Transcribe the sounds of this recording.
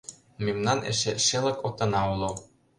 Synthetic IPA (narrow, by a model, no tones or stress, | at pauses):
memnɑnḛʃeʃelə̆kot̪ɤ̆nɑulo